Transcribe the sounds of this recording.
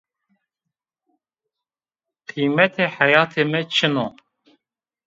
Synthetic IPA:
qʰiːmɛt̪ʰeːħæjɑːt̪ʰeːmɛt͡ʃʰɨno

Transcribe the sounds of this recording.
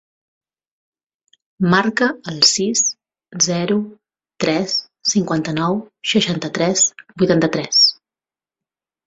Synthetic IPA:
markəːlˠsis | zɛɾu | t̪ɾɛsː | iŋkwant̪ənɔwʃəʃant̪ət̪ɾɛsbujt̪ant̪ət̪ɾɛs

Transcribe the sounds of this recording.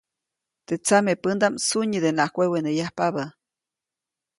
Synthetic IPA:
t̪et͡samepənd̪amsuɲid̪enahkʷewenejahpaβa

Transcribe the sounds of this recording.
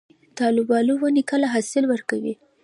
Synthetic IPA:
t̪ɑlɪbɑluwanikəlaɦɑsɪlwəɾkawḭ

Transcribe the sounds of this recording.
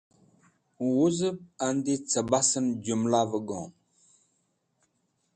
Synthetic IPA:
wuzəb̚andit͡səbasənd͡ʒumlavəɡɔ̰̃

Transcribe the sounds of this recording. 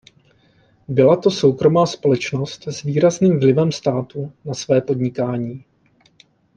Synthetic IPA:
bɪlat̪o̞so̞wkɾo̞maːspo̞lɛt͡ʃno̞st̪zviːɾazniːmvlɪvɛmst̪aːt̪unasvɛːpo̞dɲɪkaːɲiː

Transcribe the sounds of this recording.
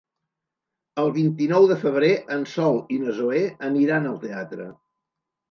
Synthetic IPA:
əlˠβint̪inɔwðəfəβ̞ɾeʔənsɔlˠinəzoeəniɾanəlˠt̪eat̪ɾə̰

